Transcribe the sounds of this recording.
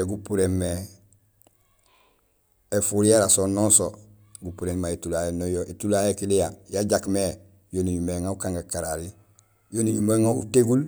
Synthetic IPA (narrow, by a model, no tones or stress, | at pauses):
eɡupuɾemːe | efuɾijaɾasononso | ɡupuɾenmaetulajenojoʔitulaekilijajaɟakme | jonijumeŋaukãŋɡakaɾaɾi | jonijumeŋaṵteɡul